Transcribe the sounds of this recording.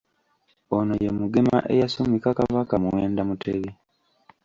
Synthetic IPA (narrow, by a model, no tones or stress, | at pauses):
onojemuɡema̰ʔejasumikakaβakamuweːndamuteβi